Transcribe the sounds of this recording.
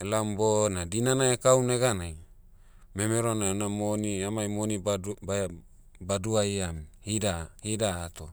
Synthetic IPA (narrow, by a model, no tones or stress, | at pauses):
elambonadinanaekawneɡanaj | memeɾonanamoniamajmonibaba | baduajamhidahidaːt̪o